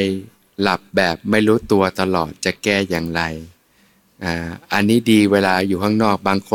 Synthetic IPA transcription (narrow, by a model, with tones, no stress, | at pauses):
j | la˨˩p̚bɛː˨˩p̚ma˥˩jɾuː˦˥t̪u˧ɐt̪a˧lɔː˨˩t̪̚t͡ɕa˨˩kɛː˥˩jaː˨˩ŋɾa˧j | ʔaː˧˩ʔa˧nːiː˦˥diː˧weː˧laː˧juː˨˩kʰa˥˩ŋnɔː˥˩k̚baː˧ŋkʰo˧